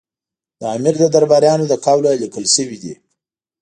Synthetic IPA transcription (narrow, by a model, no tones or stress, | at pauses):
d̪əamɪɾd̪əd̪aɾbɑɾjɑnod̪əkawlalikəlʃəwid̪i